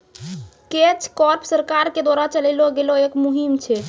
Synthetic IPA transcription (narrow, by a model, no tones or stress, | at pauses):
ket͡ʃʰkɔɾpsəɾkaɾked̪waɾat͡ʃəlɛɪloɡeloekmuɦimt͡ʃʰɛ